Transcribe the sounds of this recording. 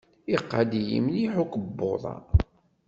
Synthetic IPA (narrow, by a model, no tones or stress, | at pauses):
iqːad̪ijḭmniħukəbːoðˤɑ̰